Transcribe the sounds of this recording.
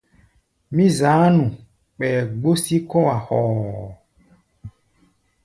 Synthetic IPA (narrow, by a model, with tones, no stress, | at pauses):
mĩ˦za˨˦nũ˨ | k͡pɛ˨ɡ͡bo˦si˦kɔ˦wa˨xɔː˨